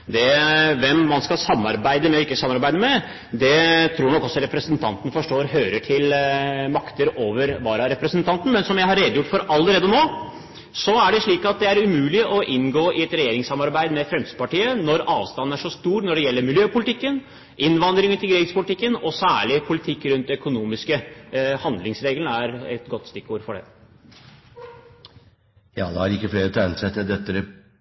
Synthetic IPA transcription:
d̪ɛʋɛmːɑnskɑlsɑmːɑ̰ɾbæɪd̪əmɛɔɪkːəsɑmːɑɾbæɪd̪əmɛ | d̪ɛt̪ʰɾuːnɔkːɔsːɔɾɛpɾəsənt̪ʰɑ̰nt̪ənəfɔʂʈoːɾɦøːɾəʈʰɪlmɑkt̪əɾoːʋəɾʋɑːɾɑɾɛpɾəsənt̪ʰɑnt̪n̩mɛnsɔmjæɪhɑɾeːd̪əjʊʈːfɔɾɑlːəɾeːd̪ənoː | sɔæɖɛʂɭiːkɑt̪̚d̪ɛæɾʉmʉːlɪʔɔʔɪnɡoːʔɪɛt̪ɾɛjeːɾɪŋsːɑmːɑɾbæɪd̪mɛfɾɛmst̪əpɑʈiːənɔɾɑːʋst̪ɑn̩ːæʂɔst̪uːɾnɔɖɛjɛlːəɾmɪljøːpʊlɪt̪ʰɪkːən | ʔɪnːʋɑnd̪ɾɪŋənt̪ʰɪlɡɾɪɡspʊlɪt̪ɪkːənɔsæːɭɪpʰʊlɪt̪ʰɪkːɾʉnt̪œkʊnuːmɪskəhɑnd̪lɪŋsɾeːɡlənəæɾɛ̰t̪ɡɔt̪ːst̪ɪkːuːɾfɔɖɛ̰ | jɑ̰ːd̪ɛhæɾɪkːəfleːɾət̪ʰɛnsɛt̪ːəd̪ɛt̪ːəɾɛ

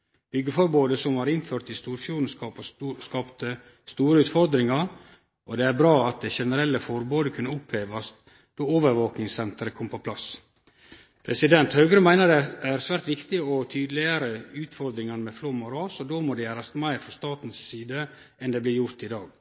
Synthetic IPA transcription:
b̥ʏɡːəfɔɾboːd̪əsɔmhɑɾɪnføːɾt̪ɪst̪uːɾfjuːɾn̩skɑpskɑːpt̪ə | st̪uːɾəʉːt̪fɔɾd̪ɾɪŋɑɾ | ʔɔd̪ɛæɾbɾɑːɑt̪̚d̪ɛʃɛnəɾɛlːəfɔɾboːd̪əkʰʉnːəʊpheːʋɑst̪ | d̪̥oːoːʋəɾʋoːknɪŋsɛnt̪əɾəkʰɔmpʰɔpʰlɑs | pʰɾɛsɪd̪ɛnt̪hɑʉɡɾəmæɪnəɾd̪ɛæɾsʋæːɾt̪ʋɪkt̪ɪɔt̪ʰyːd̪əlɪəɾəʉːt̪fɔɾd̪ɾɪŋɑnəmɛfloːmʊɾɑːsɔd̪omɔd̪ɛjæːɾɑst̪mæɪɾfɾɔst̪ɑːt̪n̩ssiːd̪ə | ʔɛnd̪ɛːblɪɾjʊɾt̪ɪd̪ɑːɡ

